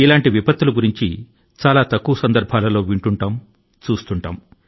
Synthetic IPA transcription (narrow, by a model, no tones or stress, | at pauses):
ilaːɳʈiʋipɐt̪ːuluɡuɾiɲt͡ʃḭ | t͡ʃaːlaːt̪ɐkːuʋɐsɐnd̪ɐɾbʱaːlɐlo̞ːʋiɳʈuɳʈaːm | t͡ʃuːst̪uɳʈaːm